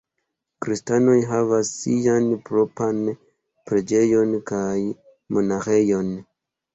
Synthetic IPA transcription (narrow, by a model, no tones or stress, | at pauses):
kɾistano̞jɦavasianpɾo̞pan | pɾe̞d͡ʒe̞jo̞nkaj | mo̞naxe̞jo̞n